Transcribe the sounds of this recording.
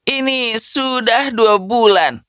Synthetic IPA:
ʔinisudahduabulan

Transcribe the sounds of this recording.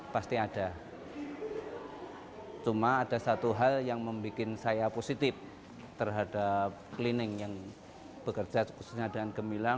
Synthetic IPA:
past̪iad̥a | t͡ʃumaːdasat̪uɦaljaŋməmbikɪnsajaposit̪ɪf | t̪ərɦadap̚klinɪŋjaŋ | b̥əkərd͡ʒasu̥kususɲadaŋankəmila

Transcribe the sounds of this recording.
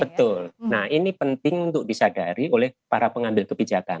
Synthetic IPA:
bət̪ʊlnahinipənt̪ɪŋunt̪ʊʔ̚disadaɾiolɛhpaɾapəŋambɪlkəbid͡ʒaka̰n

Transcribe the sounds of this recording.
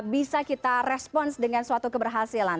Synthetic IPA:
bisakit̪arɛspɔnsdəŋansuat̪ukəbərɦasilan

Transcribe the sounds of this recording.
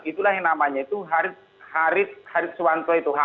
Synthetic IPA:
it̪ulahɛnamaɲait̪uɦaɾɪt̪̚ | haɾɪt̪̚haɾɪt̪̚suwant̪ɔit̪uɦa

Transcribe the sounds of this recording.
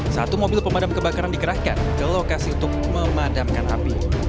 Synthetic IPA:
sa̰t̪umobɪlpəmadamkəbakaɾandikəɾahka̰nkəlokasiunt̪ʊk̚məmadamkanɦa̰pi

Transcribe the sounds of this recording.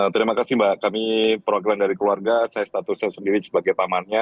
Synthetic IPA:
t̪əɾimakasɪmbaʔkamipɾoɡɾamdaɾikəluarɡasajast̪at̪ʊsɲasəndiɾisə̥baɡajpamanɲa

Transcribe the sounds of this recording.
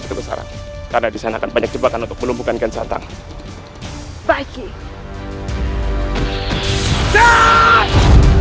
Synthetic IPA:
it̪ubəsa̰ɾa̰ŋkarnadisanaːkanbaɲak̚d͡ʒəbakanunt̪ʊk̚bəlumbukanɡansa̰nt̪a̰ŋ | baɡi | da

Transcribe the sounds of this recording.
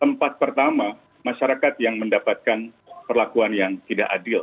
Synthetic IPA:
t̪əmpat̪̚pərt̪ama | maʃaɾakat̪jaŋməndapat̪̚kan | pərlakuanjaŋt̪idaʔadɪl

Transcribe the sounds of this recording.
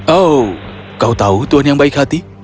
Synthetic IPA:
o | kawt̪aut̪uənaŋbajkʰat̪i

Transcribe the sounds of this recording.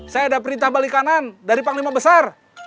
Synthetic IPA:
sajaːdapəɾint̪ahbalikanandaɾipaŋlimabəsar

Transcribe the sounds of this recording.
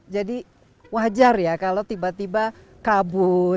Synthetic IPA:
d͡ʒadi | wad͡ʒarjakalot̪ibat̪iba | kabʊ

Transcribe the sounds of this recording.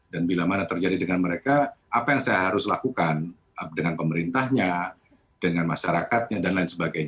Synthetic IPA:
danbilamanat̪ərd͡ʒadidəŋanməɾekaʔːpajaŋsajaɦaɾʊslakukan | dəŋanpəməɾint̪ahɲa | dəŋanmaʃaɾakat̪̚ɲadanlaɪnsəbaɡajɲa

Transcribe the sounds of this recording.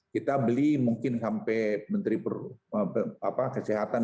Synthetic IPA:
kit̪abəlimuŋkɪnsampɛjmənt̪ɾipərəapakəsɛɦat̪an

